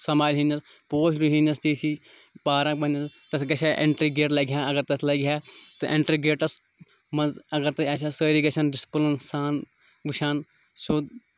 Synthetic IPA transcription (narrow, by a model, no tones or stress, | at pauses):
sɐmaːjlɦiːnɐs | poːʃɾuɦinɐst̪iːt̪ʰiːpaːɾãːkbɐnɐst̪ɐt̪ʰɡɐt͡ʃʰãːʔɪɳʈɾiːɡeːʈlɐɡjãːɐɡəɾt̪ɐt̪ʰlɐɡjaːt̪ɨʔɪ̃ɳʈɾiːɡeːʈɐs | mɐzɐɡəɾt̪ɐat͡ʃʰaːsəːɾiːɡɐt͡ʃʰɐnɖɪsplɐnsaːn | ɡʊʃʰaːn | soːd̪